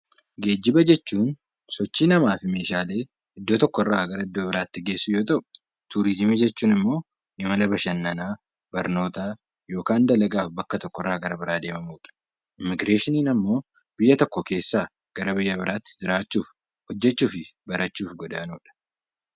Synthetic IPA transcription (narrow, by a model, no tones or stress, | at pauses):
ɡe̞ːd͡ʒːɪbɐd͡ʒɛt͡ʃːuːn | sɔt͡ʃːiːnɐmaːfɪme̞ːʃaːle̞ː | ʔɪd̪ːoːt̪ɔkːɔrːaːɡɐɾɐɪd̪ːoːbɪɾaːt̪ːɪɡe̞ːsːʊjoːt̪ʼɐʔʼ | t̪uːɾɪzmiːd͡ʒɛt͡ʃːuːnɪmːo̞ː | ʔɪmɐlɐbɐʃɐnːɐnaː | bɐɾno̞ːt̪aː | jo̞ːkaːnd̪ɐlɐɡaːfbɐkːɐt̪ɔkːɔrːaːɡɐɾɐbɪɾaːd̪e̞ːmɐmuːᶑɐ̥ | ʔɪmɪɡɾeːʃɪniːnɐmːo̞ː | b̥ɪjːɐt̪ɔkːɔke̞ːsːaː | ɡ̥ɐɾɐbɪjːɐbɪɾaːt̪ːɪ̥d͡ʒɪɾaːt͡ʃːuːf | hɔd͡ʒːɛt͡ʃːuːfɪbɐɾɐt͡ʃːuːfɡɔd̪aːnuːᶑɐ̥